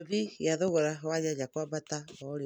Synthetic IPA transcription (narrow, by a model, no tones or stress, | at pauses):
βijaðoɣoɾawajad͡ʒakwabataɔɾe